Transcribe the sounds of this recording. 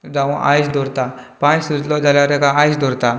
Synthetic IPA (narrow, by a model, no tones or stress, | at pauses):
d͡zaʋũʔa̰jsd̪ɔɾt̪apãjsud͡zlɔd͡zaljaɾekaajsd̪ʱɔɾt̪a